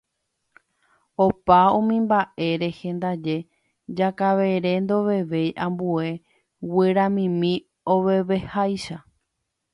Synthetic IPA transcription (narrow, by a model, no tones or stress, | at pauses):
opaũmĩmbaʔe̞ɾe̞hẽ̞nd̪ad͡ʒe̞ | d͡ʒakaʋe̞ɾe̞nd̪o̞ʋe̞ʋe̞jʔãmbue̞ | weɾãmĩmĩ | oʋe̞ʋe̞hajʃa